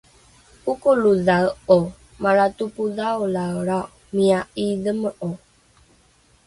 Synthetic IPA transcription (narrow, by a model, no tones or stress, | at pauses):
ukoluðawo | maɾatupuðaolawɾa | miaʔiðəməʔo